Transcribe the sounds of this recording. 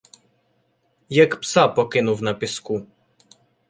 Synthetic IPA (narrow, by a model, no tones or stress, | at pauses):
jakpsapɔkʲinuwvnapʲisku